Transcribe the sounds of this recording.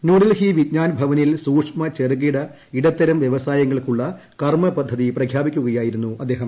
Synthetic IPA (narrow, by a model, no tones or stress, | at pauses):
nuːɖɐlhiʋidɲaːnbʱɐʋɐnilsuːkʂmɐt͡ɕerɡiɽɐ | iɽɐt̪ːɐɾɐmʋjeʋɐsaːjɐŋːɐɭkuɭːɐ | kɐrmɐpɐd̪ʱːɐðiprɐkʰjaːbikʲːuɣɐjaːjiɾunːuʔɐd̪ːeːɦɐm